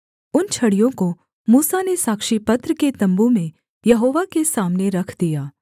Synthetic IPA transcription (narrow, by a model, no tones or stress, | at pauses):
ʊnt͡ʃʰɐɽijõko | muːsanesaːkʃipɐt̪ɾəket̪ɐ̃mbumẽ | jɐɦoːʋakesaːmneɾɐkʰd̪ijaː